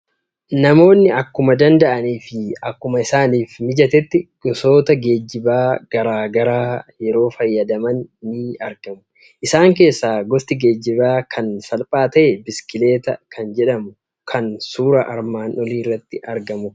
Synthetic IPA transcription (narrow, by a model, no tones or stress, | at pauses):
nɐmo̞ːnːɪɐkːʊmɐd̪ɐnd̪ɐʔɐniːfɪɐkːʊmɐɪsaːniːfmɪd͡ʒɐt̪ɛt̪ːɪkʼɔso̞ːt̪ɐɡe̞ːd͡ʒːɪbaːɡ̥ɐɾaːɡɐɾaːjɛɾo̞ːfɐjːɐd̪ɐmɐnːɪɐɾɡɐmʊ | ʔɪsaːŋke̞ːsːaːɡɔst̪ɪɡe̞ːd͡ʒːɪbaːkʰɐnsɐlpʼaːt̪ɐʔɛbɪskɪle̞ːt̪ɐkʰɐnd͡ʒɛᶑɐmʊ | kʰɐnsuːɾɐʔɐɾmaːnɔliːrːɐt̪ːɪʔɐɾɡɐmʊ